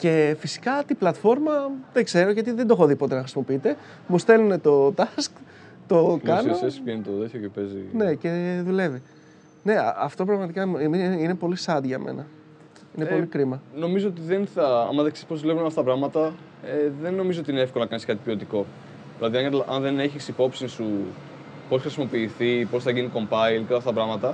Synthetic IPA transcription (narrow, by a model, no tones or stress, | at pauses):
ce̞fisi̥kɐt̪iblɐt̪fo̞ɾmɐðeɡze̞ɾoʝɐt̪iðend̪oxo̞ðipo̞t̪e̞nɐxɾisimo̞piit̪e̞ | must̪e̞lune̞t̪o̞t̪ɐsk | t̪o̞kɐnosespjenit̪oðeçocepezḭne̞ce̞ðule̞vi | ne̞ɐ̰ʔɐft̪o̞p̬ɾɐɣmɐt̪ikɐmimiine̞po̞lisɐd̪ʝɐmʔḛnɐ | inepo̞likɾimɐno̞mizo̞ot̪iðenθɐɐ̰mɐðeksespo̞zðulevunɐft̪ɐt̪ɐpɾɐɣmɐt̪ɐ | eðenːo̞mizoot̪iineefkolonɐkɐniskɐt̪i̥piot̪iko̞ | ðilɐðiɐŋɐʔɐnðe̞neçisipo̞psinsu | po̞sxɾisimo̞piːθipo̞sθɐʝiniko̞mbɐilkɐlɐft̪ɐt̪ɐpɾɐɣmɐt̪ɐ